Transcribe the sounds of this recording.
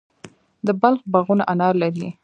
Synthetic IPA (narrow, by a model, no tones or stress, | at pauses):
d̪əbalxbaɣunaʔanɑɾlaɾi